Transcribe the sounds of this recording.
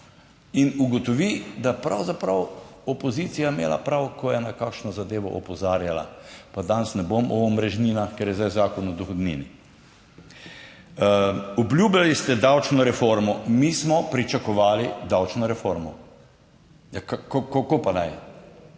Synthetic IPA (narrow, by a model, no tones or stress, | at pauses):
inuɡɔt̪ɔʋid̪apɾawzapɾawɔpɔziːt̪sijamḛːla̰pɾawkɔjɛnakakʃnɔzad̪eːʋɔ̰ʔɔpɔzaːɾjala̰pad̪ansnɛbomɔːmɾɛʒniːnaxkɛɾjɛzd̪ajzaːkɔnɔd̪ɔxɔd̪nḭːni | ɔblʲjuːbjalist̪ɛd̪awt͡ʃnɔɾɛfoɾmɔmismɔpɾit͡ʃakɔʋaːlid̪awt͡ʃnɔɾɛfoɾmɔ | jakakokakopanaj